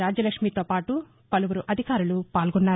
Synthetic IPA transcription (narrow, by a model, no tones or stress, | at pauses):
aːd͡ʒɐlɐkʂmiːt̪oːpaːʈu | pɐluʋuɾuʔɐd̪ʱikaːɾulupaːlɡɔnːaːɾ